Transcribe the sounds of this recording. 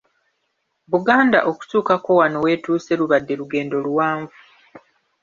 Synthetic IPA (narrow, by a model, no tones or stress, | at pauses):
βuɡaːnda̰ʔo̞ku̥tuːkako̞wano̞we̞ːtuːse̞luβadːe̞ɾuɡe̞ːndo̞lwaːɱvu